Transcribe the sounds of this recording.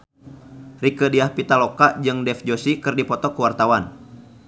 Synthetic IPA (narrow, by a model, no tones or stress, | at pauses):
rikədiahpit̪alɔkad͡ʒɨŋdɛfd͡ʒosikɨrdipɔt̪ɔkuwart̪awan